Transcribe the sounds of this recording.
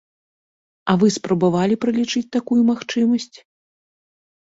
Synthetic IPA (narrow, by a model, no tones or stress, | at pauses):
ɐvɨspɾɐbavalʲipɾɐlʲit͡ʂɨt͡sʲt̪akujumaxt͡ʂɨmɐsʲt͡sʲ